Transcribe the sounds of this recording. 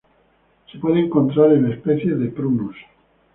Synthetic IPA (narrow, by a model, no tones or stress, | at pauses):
sepwe̞ðeːŋko̞nt̪ɾaɾenespeθjeðepɾunos